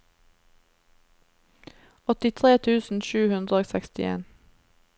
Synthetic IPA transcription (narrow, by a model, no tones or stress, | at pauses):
ɔt̪ɪt̪ʰʁeːt̪ʰʉːsn̩ʃʉːhʉnd̪ʁəoːsɛkst̪ɪḛːn